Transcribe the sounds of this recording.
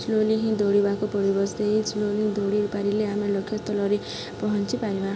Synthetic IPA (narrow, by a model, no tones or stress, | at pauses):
sloliɦĩd̪ʱoɽibakopʌɽibʌsd̪eit͡slolid̪ʱoɽiupaɾileɦamelʌkʰːjʌt̪ʌlʌɾi | pʌɦʌnt͡sipaɾoɦa